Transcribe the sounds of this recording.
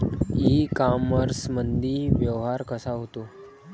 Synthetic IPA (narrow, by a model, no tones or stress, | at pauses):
ikaməɾsmənd̪ʱiʋjəʋɦaɾkəsaɦot̪o